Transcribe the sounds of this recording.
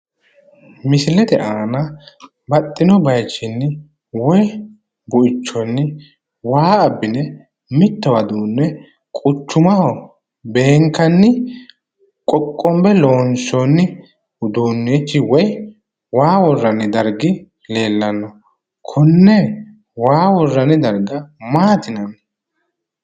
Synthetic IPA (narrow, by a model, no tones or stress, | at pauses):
mɪsɪlɛd̪ɛʔaːnɐ | bɐt̪ʼːɪnɔbɐjt͡ʃːɪnːɪ | wɔj | bʊʔɪt͡ʃːɔnːɪ | waːɐbːɪnɛ | mɪt̪ːɔwɐd̪uːnːɛ | kʼʊt͡ʃːʊmɐhɔ | be̞ːŋkːɐnːɪ | kʼɔkʼːɔmbɛloːnsɔnːɪ | d̪uːnːet͡ʃːɪwɔj | waːwɔrːɐnɪd̪ɐɾɡɪ | le̞ːlːɐnːɔ | kʰʊnːɛ | waːwɔrːɐnɪd̪ɐɾɡɐmaːt̪ɪnɐnɛ